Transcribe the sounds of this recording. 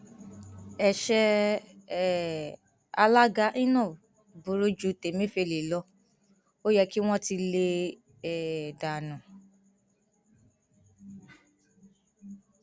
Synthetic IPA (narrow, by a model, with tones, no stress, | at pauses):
ɛ˨ʃɛ˧˦˨ | a˧la˦ɡa˦ʔĩ˦nã˦˨ | bu˨˦ɾo˦d͡ʒu˨˧te˨mĩ˦fe˧˨le˨lɔ˧˦ | o˦jɛ˧ki˦w̃ɔ̃˦ti˧le˧ | ɛ˨da˨nũ˨